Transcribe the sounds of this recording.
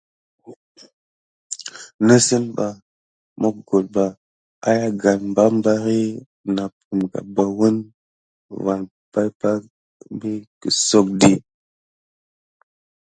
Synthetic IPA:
nə˦si˦mba˨ | mo˦kɡo˨l̚ba˨ | a̰˦ja˦ɡa˨nm˦ba˦mba˦ɾi˦ | na˨p̚u˨mɡa̰˨ba˨wu˦n | va˨n | pa˦jpa˦ | m˦bi˦kə˨so˦k̚di˦

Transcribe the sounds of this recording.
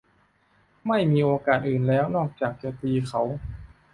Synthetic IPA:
ma˥˩jmiː˧ʔoː˧kaː˨˩t̪̚ʔɯː˨˩nlɛː˦˥wnɔː˥˩k̚t͡ɕaː˨˩k̚t͡ɕa˧˩t̪iː˧kʰa˦˥w

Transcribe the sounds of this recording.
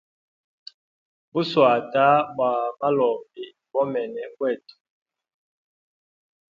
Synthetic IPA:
bu˦swa˨ta˦ba˨ma˦lɔ˨bi˨ | bɔ˦mɛ˨nɛ˨kwɛ˦˨tu̥˨

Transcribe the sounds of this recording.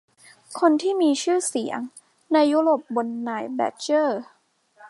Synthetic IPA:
kʰo˧nt̪ʰiː˥˩miː˧t͡ɕʰɯː˥˩si˨˩˦əŋ | na˧jːu˦˥ɾoː˨˩p̚bo˧nːaː˨˩jbɛ̰ː˦˥t͡ɕɤː˥˩

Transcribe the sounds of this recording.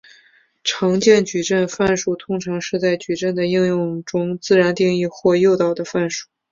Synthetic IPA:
ʈ͡ʂʰɑ˧˥ŋt͡ɕjɛ˥˩nt͡ɕy˨˩ʈ͡ʂə˥˧nfa˥˧nʂu˥˩t̪ʰʊ˧˥ŋʈ͡ʂʰɑ˧˥ŋʂɻ̩˥˧t͡sa˥˩ɪt͡ɕy˨˩ʈ͡ʂə˥˩nd̪ə˩i˥˧ŋjʊ˥˩ŋʈ͡ʂʊ˥ŋt͡sɹ̩˥˩ɻa˧˥nt̪i˥˧ŋi˥˧xwɔ˥˧jo˥˧ʊt̪ɑ˥˩ʊd̪ə˩fa˥˧nʂu̥˥˩

